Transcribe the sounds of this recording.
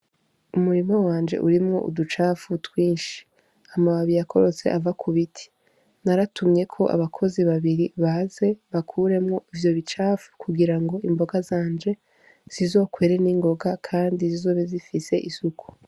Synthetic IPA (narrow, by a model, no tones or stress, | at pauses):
umuɾimawaːnd͡ʒe̞̰ʔuɾimŋo̞̰ʔṵdut͡ʃaːfutwiːnʃi̥ | amaβaβijakʰo̞ɾo̞t͡se̞̰ʔavakʰuβitʰi̥ | naɾatumɲe̞kʰo̞ʔa̰βakʰo̞ziβaβiɾiβaze̞βakʰuːɾe̞mŋo̞ivjo̞βit͡ʃaːfu̥kuɡiɾaŋɡo̞imbo̞ɡazaːnd͡ʒe̞ | z̥izo̞ːkwe̞ːɾe̞niːŋɡo̞ɡakʰaːndizizo̞ːβezifise̞ʔisuku̥